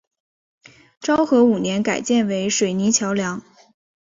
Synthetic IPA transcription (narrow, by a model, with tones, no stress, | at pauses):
ʈ͡ʂɑ˥ʊxɤ˧˥u˨˩njɛ˧˥nka˨˩ɪt͡ɕjɛ˥˩nwe˧˥ɪʂwe˨˩ɪni˧˥t͡ɕʰjɑ˧˥ʊljɑ˧˥ŋ